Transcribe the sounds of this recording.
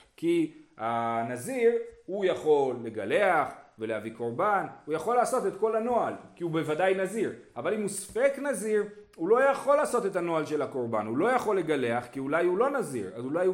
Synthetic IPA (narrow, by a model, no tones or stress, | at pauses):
kihanaziʁhujaχo̞lːeɡale̞aχve̞leaviko̞ʁbanujaχo̞lːaːso̞tetko̞lano̞alkiube̞vadajnaziʁavalimuspeknaziʁulo̞jaχo̞laːso̞te̞tano̞alʃe̞lhako̞ʁbanulo̞jaχo̞lːe̞ɡale̞aχkiulajulo̞nazḭʁa̰zulaj